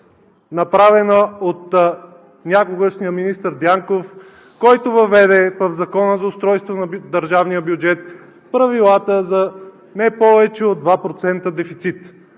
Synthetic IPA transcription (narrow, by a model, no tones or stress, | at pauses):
nɐpɾavɛnəot̪ | nʲakoɡəʃnijəminist̪əɾd̪jaŋkof | kɔjt̪ovɐvɛd̪ɛvəvzɐkɔnəzɐʊst̪ɾɔjst̪vonɐd̪əɾʒavnijəbjud͡ʒɛt̪̚ | pɾɐvilˠat̪əzɐ | nɛpɔvɛt͡ʃɛod̪vapɾot̪sɛnt̪əd̪ɛfit̪sit̪